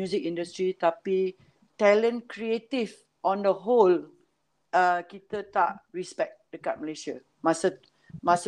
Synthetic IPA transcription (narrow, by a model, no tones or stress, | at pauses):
uzik̚ĩndust̪ɾit̪api | t̪ɛlə̃nkɾiet̪if | ʔɔ̃ndəɦol | əkit̪ət̪aʔɹispɛk̚d̥əkat̚məleʃia | masə | mas